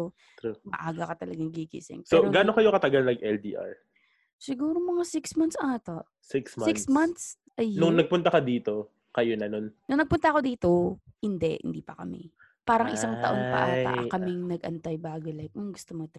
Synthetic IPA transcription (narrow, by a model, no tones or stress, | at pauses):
o | ɐ̰ʔaːɡɐkɐt̪ɐlɐɡaŋɡikḭsɪ̰ŋsoɾoɡaːnokɐjokɐt̪ɐɡalnɐɡʔɛld̪ḭːʔa̰ɹ | sɪɡuːɾomɐŋasɪksmɐnsʔaːt̪a | sɪksɪkssmɐnt̪s | ʔɐjnʊŋnɐɡ̚pʊnt̪ɐkɐd̪iːt̪o̞ | kɐjonɐnonnʊŋnɐɡ̚pʊnt̪ɐɐko̞d̪iːt̪ohɪnd̪ɛhɪ̰nd̪iːpɐkɐmɪ̰ | paːɾɐŋʔɪsaŋt̪ɐ̰ʔoŋpɐ̰ʔa̰t̪akɐmɪŋnɐɡ̚ʔɐ̰nt̪ajbaːɡolajk̚ʊŋɡʊst̪omot̪